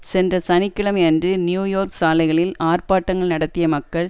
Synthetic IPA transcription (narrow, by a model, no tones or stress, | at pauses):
sɛndrɐsɐnɪkːɪɭɐmɛndrɯnjuːjoːɾksaːlɐɪɣɐɭɪlaːrpaːʈːɐŋɡɐɭnɐɽɐt̪ːɪjɐmɐkːɐɭ